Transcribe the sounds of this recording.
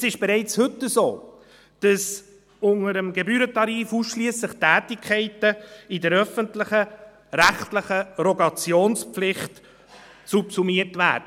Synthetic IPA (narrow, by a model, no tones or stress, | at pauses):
sɪʃb̥ɛɾɛɪt͡shɵtːəzo̰ː | d̥ɑs | ʊŋəɾəmɡɛbyːɾətɑɾiːfuːsʃliəslɪχtæːtɪkʰɛɪtəɪdəɾœfəntlɪχə | ɾæχtləχəɾɔɡɑt͡sjoːnspflɪχt | supsumiətvæ̰ːdə